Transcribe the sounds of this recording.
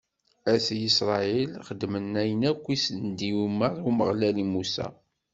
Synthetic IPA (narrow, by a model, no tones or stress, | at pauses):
æsjisɾˤɑilχəd̪ːmənːæjənækʷːisənd̪iwmːəɾˤuməʁlælimusæ̰